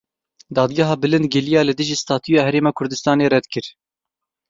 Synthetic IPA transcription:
d̪ɑːd̪ɡaɦɑːbɨlɨnd̪ɡɪlijɑːlɨd̪ɨʒiːst̪ɑːt̪ʰujɑːhɛɾeːmɑːkʰʊɾd̪ɨst̪ɑːneːrɛd̪kʰɨɾ

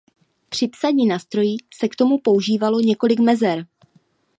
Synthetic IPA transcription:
pr̝̥ɪpsaɲiːnaːst̪ɾo̞jisɛkt̪o̞mupo̞uʒiːvalo̞ɲɛko̞lɪkmɛzɛɾ

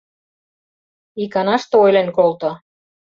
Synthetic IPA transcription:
ikɑnɑʃt̪oojlenkolt̪ŏ

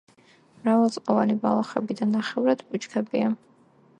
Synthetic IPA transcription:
mɾavalˠsʼqʼɔvanibalˠaχɛbid̪anːaχɛvɾad̪pʼut͡ʃkʰɛbia

